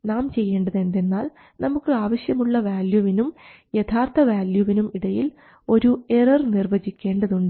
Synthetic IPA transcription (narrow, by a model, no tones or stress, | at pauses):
naːmt͡ɕe̞jːe̞ːɳɖɐðe̞nd̪e̞nːaːl | nɐmukːɨaːʋɐɕjɐmuɭːɐʋaːljuʋinum | jet̪ʰaːrt̪ʰɐʋaːljuʋinumiɽɐjil | o̞ɾue̞rɐrnirʋɐd͡ʑikʲːe̞ːɳɖɐðuɳɖɨ